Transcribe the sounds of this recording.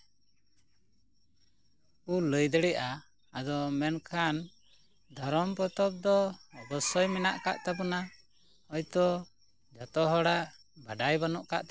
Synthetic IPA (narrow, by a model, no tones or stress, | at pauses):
uləjd̪ɛɽɛʔaː | d̪ɔmɛnkʰan | d̪ʱɔɾɔmpɔt̪ɔp̚d̪ɔːbɔsɔjmɛnaʔkaʔt̪abɔna | ɔjt̪ɔ | d͡ʒɔt̪ɔɦɔɽaʔ | bʱaɖajbanɔʔkaʔt̪